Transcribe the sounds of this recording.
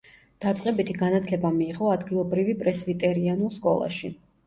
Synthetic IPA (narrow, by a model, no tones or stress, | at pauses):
d̪̥at̪sʼqʼɛbit̪ʰiɡanat̪ʰlɛbamiːʁʼɔad̪ɡilˠɔbɾivipʼɾɛsvit̪ʼɛɾianulˠskʼɔ̰lˠa̰ʃi